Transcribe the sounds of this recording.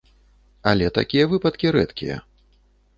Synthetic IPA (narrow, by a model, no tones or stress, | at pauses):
alʲɛt̪a̰kʲijɐvɨpɐt̪kʲiɾɛt̪kʲijɐ̰